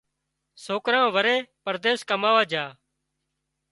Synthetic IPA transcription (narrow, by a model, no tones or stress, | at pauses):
soːkɾãːʋəɾeːpəɾd̪eːskəmaːʋaːd͡ʒaː